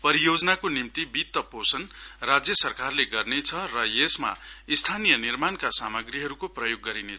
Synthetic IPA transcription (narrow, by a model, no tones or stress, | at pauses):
pʌɾijod͡zʌnakonimt̪ibit̪ːʌposʌnrad͡zjʌsʌrkarleɡʌrnet͡sʰʌrʌjesma̰ist̪ʰanijʌnirmankasamʌɡriɦʌɾukoprʌjoɡːʌɾinet͡sʰʌ